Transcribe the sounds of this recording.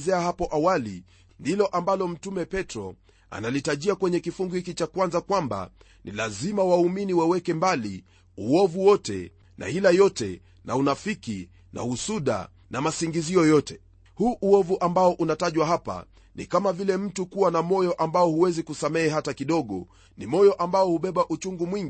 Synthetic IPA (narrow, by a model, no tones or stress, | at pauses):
zɛahapɔʔawalḭ | ndilɔʔambalɔm̩tumɛpɛtɾɔ̰ | a̰nalitaʄiakwɛɲɛkifuŋɡuhikit͡ʃakwanzakwamba̰ | nilazimawauminiwɛwɛkɛmbali | uɔvuwɔtɛ̰ | na̰hilajɔtɛ̰ | naunafiki | na̰husuɗa̰ | namasiŋɡiziɔjɔtɛ | huʔuɔvuʔambaɔʔunataʄwaɦapa̰ | nikamavilɛm̩tukuwanamɔjɔʔambaɔhuwɛzikusamɛɛɦatakiɗɔɠɔ̰ | nimɔjɔʔambaɔhuɓɛɓaʔut͡ʃuŋɡumwiŋɡi